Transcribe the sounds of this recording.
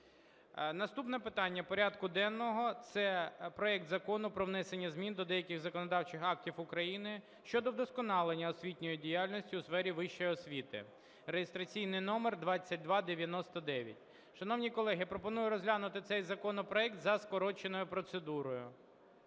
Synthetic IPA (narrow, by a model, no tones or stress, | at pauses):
nɐst̪upnɛpɪt̪ɑnʲːɐpɔɾʲad̪kʊd̪ɛnːɔɦɔt̪sɛpɾɔɛk̚t̪zɐkɔnʊpɾɔʋnɛsenʲːɐzʲmʲind̪ɔd̪ɛjɐkɪxzɐkɔnɔd̪ɑwt͡ʃɪxɑk̚tʲifʊkɾɐjinɪ | ʃt͡ʃɔd̪ɔd̪ɔskɔnɑlˠenʲːɐɔsʲʋʲitʲnʲɔjidʲijalʲnɔsʲtʲiʊsfɛɾʲiʋɪʃt͡ʃɔjɔsʲʋʲit̪ɪ̰ | rejɪst̪ɾɐt͡sʲijnɪjnɔmerd̪ʋɑt͡sʲːɐt̚ʲd̪ʋɑd̪eʋʲjɐnɔst̪ɔd̪ɛʋʲjɐ̰tʲ | ʃɐnɔwnʲikɔlˠɛɦɪpɾɔpɔnujʊɾɔzʲɦlʲanʊt̪ɪt̪sɛjzɐkɔnɔpɾɔɛk̚t̪zɐskɔɾɔt͡ʃenɔjʊpɾɔt̪sed̪uɾɔjʊ